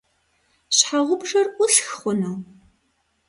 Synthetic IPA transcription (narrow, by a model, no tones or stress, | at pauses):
ɕħaʁʷʊbʒɐrʔʊɬxχʷʊnuw